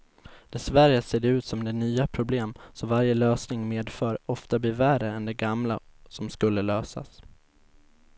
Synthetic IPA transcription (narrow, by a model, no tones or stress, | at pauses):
d̪̥ɛsvæɾəseːd̪ɛʉ̟ːt̪sɔmd̪ɛnyːapʰɾʊbleːmsɔvaɾjəløːsnɪŋmeːd̪fœːɾɔft̪abliːɾværəɛnd̪ɛɡamla̰sɔmskɵlːəløːsa̰s